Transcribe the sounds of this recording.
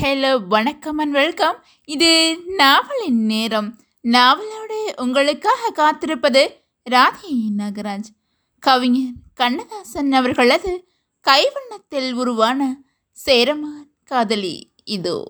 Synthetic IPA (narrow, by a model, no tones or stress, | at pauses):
hɛloːʋɐɳɐkːɐmɐnʋɛɭkɐm | ɪðɯnaːʋɐɭɪnneːɾɐm | naːʋɐloːɽɯʔʊŋɡɐɭɯkːaːɣɐkaːt̪ːɪɾɯpːɐðɯ | ɾaːdijjɪnɐɡɐɾaːd͡ʒ | kɐʋɪŋɐnkɐɳːɐðaːsɐnɐʋɐɾɣɐɭɐðɯ | kɐɪʋɐɳːɐt̪ːɪlʊɾʊʋaːnɐ | seːɾɐmaːnkaːðɐlḭ | ɪðo̰ː